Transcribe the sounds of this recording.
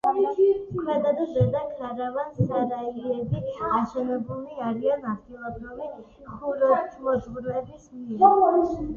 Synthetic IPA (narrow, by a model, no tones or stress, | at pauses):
kʰmɛd̪ad̪ɔʒɛd̪akʰlaɾavanzaɾaiɛbiaʃɛnɛbuliaɾianad̪ɡilˠɔbɾuvi | χuɾɔt͡ʃʰmɔd͡ʒvuɾvɛbismi